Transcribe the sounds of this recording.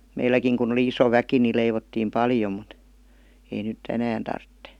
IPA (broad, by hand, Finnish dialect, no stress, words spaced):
meilːækiŋ kun oli iso ʋæki ni leiʋotːiːm pɑljom̆ mut ei nytˑ enæːn tɑrtːe